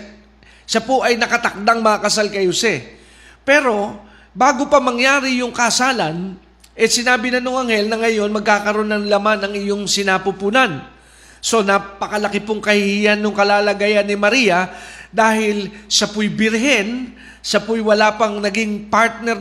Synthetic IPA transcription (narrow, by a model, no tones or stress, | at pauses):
ʃapoʔɐjnɐkɐt̪ɐk̚d̪aŋmɐɐkɐsalkɐjhosɛ | pɛːɾo̞ | baːɡopɐmɐŋjaːɾɪjʊŋkɐʔsaːlɐn | ʔɛsɪnaːbɪnɐnoŋɐŋhɛlnɐŋɐjo̞nmɐɡ̚kaːkɐɾonɐnlɐmanɐŋʔɪjo̞ŋsɪnaːpʊpuːnɐn | so̞napɐkɐlɐkɪpʊŋkɐhɪhijanːʊŋkɐlaːlɐɡajanːɪmɐɾijɐd̪aːhɪlsɐpʊjbɪɾɦɛn | ʃɐpʊjwɐlaːpɐŋnɐɡiŋpaɹt̪̚nɛɾ